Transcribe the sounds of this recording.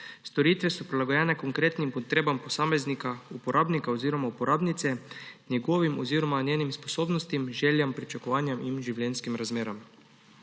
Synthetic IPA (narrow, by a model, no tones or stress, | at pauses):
st̪ɔɾiːt̪ʋɛsɔpɾilaɡɔjɛːnɛkoŋkɾeːt̪nimpɔt̪ɾeːbampɔsaːmeznikaupɔɾʔaːbnikaoziːɾɔmaupɔɾaːbnit̪sɛnjɛɡoːʋimɔziːɾɔmanjeːnimsposoːbnɔst̪imʒɛːljampɾit͡ʃakɔʋaːnjɛminʒiwlɛːnskimɾazmeːɾam